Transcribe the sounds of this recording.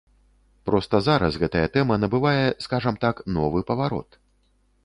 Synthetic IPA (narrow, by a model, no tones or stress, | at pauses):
pɾɔst̪ɐzaɾɐsɣɛt̪ɐjɐt̪ɛmɐnɐbɨvajɛskaʐɐmt̪aknɔvɨpɐvaɾɔ̰t̪